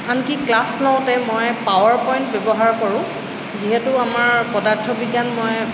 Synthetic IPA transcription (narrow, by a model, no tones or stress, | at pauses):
ankiklaslɔw̃tɛmɔjpawaɹpɔjntbɛbɔɦaɹkɔɹʊ̃ | ziɦɛtʊamaɹpɔdaɹtʰɔbiɡanmɔj